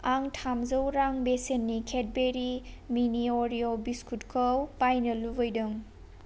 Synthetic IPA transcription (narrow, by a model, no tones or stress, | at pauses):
aŋtʰamzəwɾaŋbesenːikʰet̚beɾiminioɾiobiskʰutkʰəwpajnɐlubɔjdɯŋ